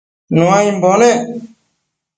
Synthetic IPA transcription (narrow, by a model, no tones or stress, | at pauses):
nuãːĩmboːne